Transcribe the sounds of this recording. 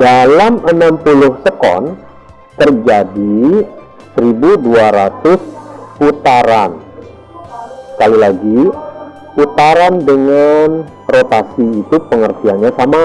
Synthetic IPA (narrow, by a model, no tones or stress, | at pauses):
dalamənampulʊhsəkɔ̰n | t̪ərd͡ʒadi | səɾibuduaɾat̪ʊsput̪aɾan | sə̥kalilaɡi | put̪aɾandəŋan | rot̪asiːt̪upəŋərt̪ianɲasama